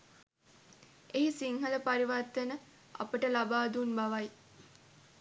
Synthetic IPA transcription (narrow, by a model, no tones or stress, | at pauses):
eɦisiŋɦɐləpaɾiʋat̪ːənə | ɐ̰pəʈəlabaːd̪unbaʋaj